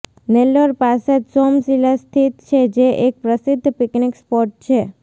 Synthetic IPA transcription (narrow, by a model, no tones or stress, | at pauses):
neloɾpaset̪sɔmsilast̪ʰit̪t͡ʃʰed͡ʒeʔek̚pɾəsɪd̪ʱːpiknikspɔɾʈ̚t͡ʃʰe